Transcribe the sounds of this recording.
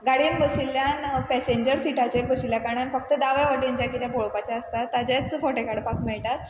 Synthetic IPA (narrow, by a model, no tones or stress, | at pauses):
ɡaɽinbʱəsilːjanpɛseɲd͡ʑəɾsiʈat͡ɕenbʱəɕiljakaɽ̃janfək̚t̪əd̪aʋjaʋəɾʈːaɲt͡ɕjakit̪aboɭopat͡ɕjaəst̪at̪ːad͡ʑat͡sfoʈekaɽpakmɛɭʈ̪at̪̚